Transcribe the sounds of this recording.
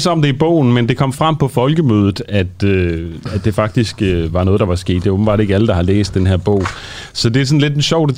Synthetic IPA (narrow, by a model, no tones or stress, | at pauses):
sɒ̽md̥e̝ib̥ɔ̰ːʊn̩mend̥e̝kʰɒ̽m̰fʁam̰pʰɒ̽fɒ̽lɡ̥əmøːð̞ˠð̩ˠæd̥øæd̥e̝fɑ̈ɡ̥̚d̥isɡ̥ʋɑ̈nɔ̽ːð̞̩ˠd̥ɑʋɑ̈sɡ̥e̝̰ːd̥ːe̝ɔb̥m̩b̥ɑ̈ːɾe̝ɡ̥æləd̥ɑ̈hɑ̈lḛːsd̥enɦeɐ̰b̥ɔ̰ʊ̰ | sɒ̽d̥e̝æɐsɒ̽nle̝d̥enɕɒʊd̥e